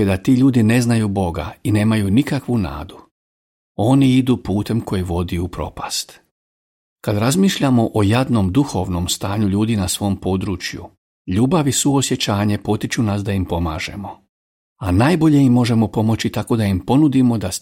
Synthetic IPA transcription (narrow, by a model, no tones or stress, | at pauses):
ed̪at̪iːʎuːd̪ine̞znajubo̞ɡa̰ine̞ːmajunikakʋuna̰ːd̪u | o̞niid̪upuːt̪e̞mko̞jiʋo̞d̪iupɾo̞̰past̪ | kad̪ɾazmiːʃʎamo̞ʔojad̪no̞md̪uxo̞ʋno̞mst̪aːɲuʎuːd̪inasʋo̞mpo̞d̪ɾuːt͡ʃjṵ | ʎuːbaʋisuosjet͡ɕaːɲe̞po̞t̪it͡ʃunasd̪aimpo̞ma̰ːʒe̞̰mo̞ | anaːjbo̞ʎe̞imːo̞ʒe̞mo̞po̞mo̞t͡ɕit̪ako̞d̪aimpo̞nud̪imo̞d̪a